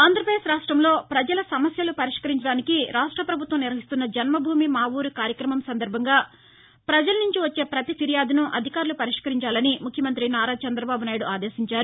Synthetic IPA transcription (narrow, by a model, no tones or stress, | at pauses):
aːnd̪ɾɐpɐeːsɾaːʂʈɾɐmlo̞ːpɾɐd͡ʒɐlɐsɐmɐsjɐlupɐɾiʂkɐɾiɲt͡ʃɐɽaːnikiɾaːʂʈɾɐpɾɐbʱut̪ʋɐmniɾʋɐɦist̪unːɐd͡ʒɐnmɐbʱuːmimaːʋuːɾukaːɾjɐkɾɐmɐmsɐnd̪ɐɾbʱɐŋɡaː | pɾɐd͡ʒɐlɐnuɲt͡ʃiʋɐt͡ʃːe̞ːpɾɐt̪ipʰiɾijaːd̪unuʔɐd̪ʱikaːɾulupɐɾiʂkɐɾiɲt͡ʃaːlɐnimukʰjɐmɐnt̪ɾinaːɾaːt͡ʃɛnd̪ɾɐbaːbunaːjiɽuaːd̪eːsiɲt͡ʃaːɾu